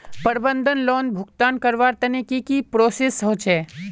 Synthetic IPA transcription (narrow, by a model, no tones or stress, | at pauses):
pəɾbə̃nd̪ʱənlɔːnbʱʊɡt̪aːnkəɾʋaːɾt̪ɐnekikipɾoːseːsːəɦʊ̃t͡ʃɛː